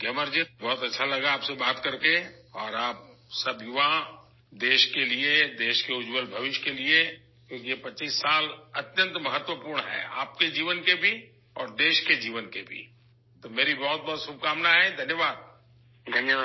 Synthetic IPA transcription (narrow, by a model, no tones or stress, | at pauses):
ɡɛməɾd͡ʒibɔːʊt̪ɐtːʃʰalɐɡaaːpsebaːt̪kɐɾkeɔːɾaːp̚sɐbjʊʋã | d̪eːʃkelied̪eːʃkeʊd͡ʒwəlbʱɐʋɪʃkelie | kjõːkijepɐt͡ʃiːsːaːlɐt̪jə̃nt̪mɐɦət̪wəpuːɾɳɦɛ̰ːa̰ːp̚ked͡ʒiːʋənkebʱi | ɔːɾd̪eːʃked͡ʒiːʋənkebʱḭ | t̪omeːɾibɔɦʊt̪̚bɔːt̪sʊb̚kaːmnaɦɛd̪ʱɐnjəʋaːd̪̚ | d̪ʱɐnjəa